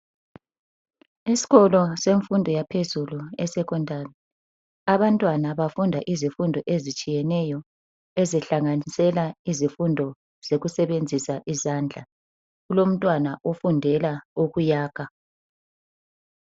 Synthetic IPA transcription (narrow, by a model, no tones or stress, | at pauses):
isi̥ɣɔlɔseɱfundʱɔjapʰezuluɛsɛkʰɔndʱarɛ | aβantʼwanaβafundʱaʔizifundʱɔʔezit͡ʃʼijɛnɛjɔ | ɛzɛɬaŋanisɛlaizifundʱɔ | z̥eɣusɛβend͡zʱisaʔizand͡ɮʱa | ɣulom̩tʼwanaʔofundʱɛlaoɣujaːɣʰa